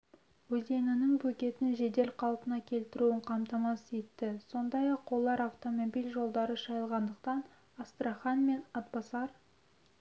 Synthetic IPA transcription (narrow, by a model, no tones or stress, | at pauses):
wɵze̞nɪnɪŋbɵkʲe̞t̪ɪnʒe̞d̪e̞lqʰɑlˠpənɑkʲʰe̞lt̪ɪɾuɪɴqʰɑmt̪ɑmɑset̪ːɪso̞nd̪ɑjɑqwolˠːɑɾaft̪o̞mo̞bijlʒo̞lˠd̪ɑɾəʃɑjəlˠʁɑnd̪əq̚t̪ɑn | ɑst̪ɾaχɑnme̞nɑt̪̚bɑsɑɾ